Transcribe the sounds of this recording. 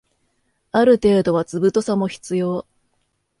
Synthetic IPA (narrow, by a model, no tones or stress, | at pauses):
aɾɯ̟t̪e̞ːd̪o̞β̞at͡sɨbɯt̪o̞samo̞çi̥t͡sɨjo̞ː